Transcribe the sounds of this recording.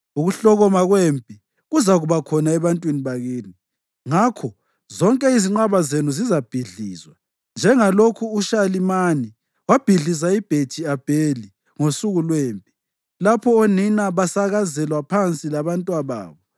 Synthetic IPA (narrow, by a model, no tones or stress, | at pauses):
uɣuɬɔɣɔmaɣwempʼi | ɣuzaɣuβakʰɔnaɛβantʼwiniβaɣeːni | ŋakʰɔ | zɔŋkʼɛiziŋ͡ǃaβazenuzizab̥ʱiɮiːzwa | nd͡ʒʱɛŋalokʰuːʃalimani | wab̥ʱiɮisaib̥ʱed̥ʒ̥ʱiab̥ʱeli | ŋosuɣulweːmpʼi | lapʰɔoninaβasaɣazɛlwapʰant͡sʼilaβantʼwaβa̰ːβɔ